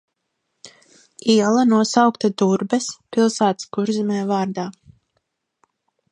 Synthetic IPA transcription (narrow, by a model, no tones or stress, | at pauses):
iɛlˠanuɔsawkt̪ad̪uɾbɛspilˠsaːt̪skuɾzimɛːvaːɾd̪aː